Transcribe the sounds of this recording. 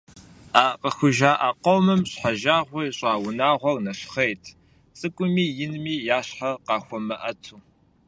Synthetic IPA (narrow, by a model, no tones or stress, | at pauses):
aːqəxʷʊʒaːʔaːqowmɨmɕħaʒaːʁʷeɕʼɑːwʊnaːʁʷɔrnɐɕχejtʰ | t͡sʼɨkʷʼʊmiːjɪnmiːjaːɕħaqɑːxʷɔmɐʔɐtʰuː